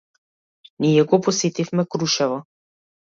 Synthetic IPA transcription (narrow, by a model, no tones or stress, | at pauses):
nijɛɡɔpɔsɛt̪ifmɛkɾuʃɛvɔ